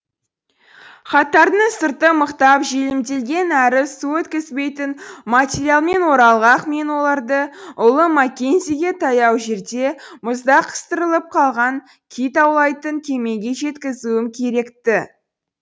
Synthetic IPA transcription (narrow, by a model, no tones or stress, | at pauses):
χɑt̪ɑɾnəɴsəɾt̪əməqt̪ɑpʒelɪmd̪e̞lɡʲe̞næɾɪsuɵt̪kʲɪzbe̞jt̪ɪnmat̪ʲeɾʲialˠme̞nwo̞ɾɑlˠʁɑqme̞nwo̞lˠɑɾd̪əʊlˠəmɑkʲe̞nziɡʲe̞t̪ʰɑjɑwʒe̞ɾd̪e̞mʊzd̪ɑqʰə̥st̪əɾəlˠəp̚qʰɑlˠʁɑŋ | kʲʰijt̪ɑwlˠɑjt̪əŋkʲʰe̞me̞ɡʲe̞ʒe̞t̪kʲɪzuwɪmkʲʰe̞ɾe̞kt̪ɪ